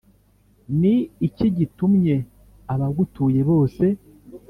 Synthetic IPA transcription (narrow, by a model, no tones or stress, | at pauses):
niːciɟitumɲe̞ | aβaɡutuːje̞βo̞ːse̞